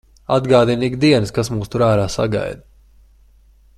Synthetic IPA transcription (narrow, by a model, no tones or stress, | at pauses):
ad̪ɡaːd̪iniɡkd̪iɛnɨskasmuːst̪uɾaːɾaːsa̰ɡa̰jd̪